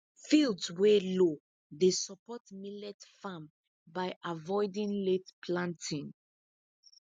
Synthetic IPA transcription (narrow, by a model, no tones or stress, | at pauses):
fildswelo | ðesɔpɔtmilɛtfãm | baɪʔavɔɪdĩnletpʰlãntʰĩŋ